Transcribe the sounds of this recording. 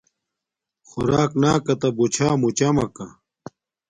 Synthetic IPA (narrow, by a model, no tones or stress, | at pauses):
xuɾaːknaːkɐt̪ɐbut͡ɕʰaːmut͡ɕɐmɐkɐ